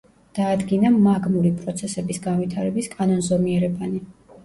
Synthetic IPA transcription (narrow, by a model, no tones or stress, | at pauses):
d̪̥aːd̪ɡinamaɡmuɾipʼɾɔt̪sʰɛsɛbisɡanvwit̪ʰaɾɛbiskʼanɔnzɔmiɛɾɛbani